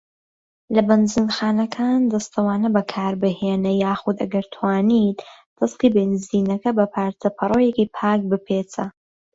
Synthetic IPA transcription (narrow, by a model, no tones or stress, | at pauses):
lɐbɐnzɨnxaːnɐkʰaːnd̪ɐst̪ʰɐwaːnɐbɐkʰaːɾbɨheːnɐjaːxʊd̪ɐ̰ɡɐɾt̪ʰwaːnit̪ | d̪̥ɨskibenziːnɐkɐbɐpʰaːɾt͡sɐpʰɐroːjekipʰaːk̚bɨpʰeːt͡sɐ